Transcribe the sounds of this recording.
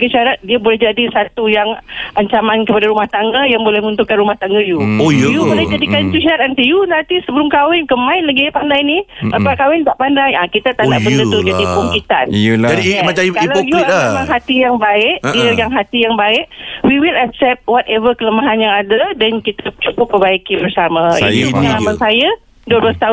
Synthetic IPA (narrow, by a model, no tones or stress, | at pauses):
ɡəʃaɾat̪̚diəbolɛhd͡ʒadisat̪ujaŋaɲt͡ʃamãnkəpadaɾumaht̪aŋɡajaŋbolɛhməũnt̪ukanɾumaht̪aŋɡajuojubolɛhd͡ʒadikanit̪uʃaɾat̪ant̪ijunant̪isəbəlʊmkawɪnkəmãɪ̃nlaɡipandajniapaʔkawɪnt̪aʔpandajakit̪at̪aʔnaʔbəndət̪ʊd͡ʒadipuŋkit̪a̰nadimat͡ʃakailajuamaŋɦat̪ijaŋbaɪʔiəjaŋɦat̪ijaŋbaɪʔwiwilak̚sɛp̚t̪̚wɔtɛvəkələmaɦanɲaːdədɛnkit̪at͡ʃupʊpəbaikɪbərsamãḭuniamasaja | duəblast̪aʊn